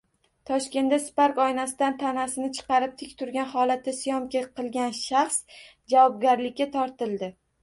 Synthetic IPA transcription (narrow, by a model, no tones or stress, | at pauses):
t̪ʰɒʃkʲe̞nd̪aspaɾkɒjnasɪd̪ant̪ʰanasɪnɪt͡ʃʰɨ̥qɑɾɪp̚t̪ʰɪkʲt̪ʰʊɾɡʲanhɒlat̪ʰːɪsɪjɒmkʲaqʰɨlˠɡʲanʃaχs | d͡ʒavɒb̚ɡʲaɾlɪkʲːat̪ʰɒɾt̪ɪlˠd̪ɪ